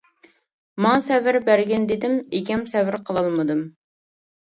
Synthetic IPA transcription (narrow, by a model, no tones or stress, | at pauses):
mɑŋsɛvɪɾbæɾɡʲɛnd̪ed̪ɪmekʲɛmsɛvɪɾqʰəlˠɑlˠmɨd̪ɨm